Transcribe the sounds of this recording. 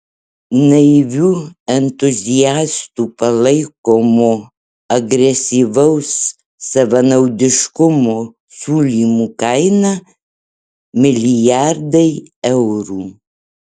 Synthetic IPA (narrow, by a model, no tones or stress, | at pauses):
nɐɪʋʲuːɛnt̪ʊzʲɪjæːst̪uːpɐlˠɐɪkoːmoː | ɐɡɾʲɛsʲiːʋɐʊsː | ɐʋɐnɐʊd̪ʲɪʃkʊmoː | sʲuːlʲiːmuːkɐɪnɐ | mʲɪlʲɪjæɾd̪ɐɪɛʊɾuː